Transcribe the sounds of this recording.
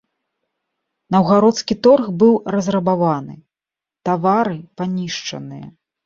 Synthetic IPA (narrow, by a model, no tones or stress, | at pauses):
nɐwɣaɾɔt̪skʲit̪ɔrɣbɨwrɐzrɐbavanɨ̰ | t̪avaɾɨpanʲiʂt͡ʂɐ̰nɨjɐ̰